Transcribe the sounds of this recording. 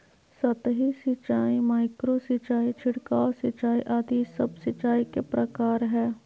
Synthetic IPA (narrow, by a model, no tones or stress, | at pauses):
sɐt̪ɦisɪt͡ʃaːimaːɪkɾosɪt͡ʃaːit͡ʃʰɪɽkaːsɪt͡ʃːaːiʔaːd̪isɐbsɪt͡ʃːaːikepɾɐkaːɾɦɛː